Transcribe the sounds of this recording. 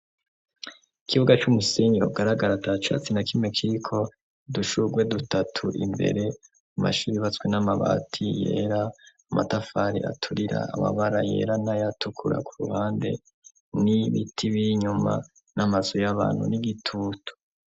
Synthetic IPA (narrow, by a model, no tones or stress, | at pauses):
ikʰiβuɡat͡ʃumuseɲiɾoɡaɾaɡaɾatat͡ʃa̰t͡sinakʰime̞kʰiɾikʰo̞ | duʃuɡwe̞dutatʰuʔḭmbe̞̰ɾe̞ | uma̰ʃuːɾiβat͡swenamaβa̰ːtʰije̞̰ɾaː | mʔatafaɾḭʔa̰tʰuɾiɾa̰ːma̰βaɾaje̞̰ːɾanajatʰukʰuɾa̰kʰuɾṵhaːnde̞̰ | niβitʰiβiɲuma̰ | namazojaβa̰ːn̥hṵniɡitʰutʰu̥